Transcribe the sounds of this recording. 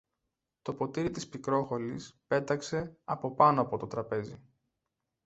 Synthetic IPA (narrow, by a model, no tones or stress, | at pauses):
t̪o̞po̞t̪iɾit̪ispikɾo̞xo̞lispe̞t̪ɐkse̞ɐpo̞pɐno̞ɐpo̞t̪o̞t̪ɾɐpe̞zi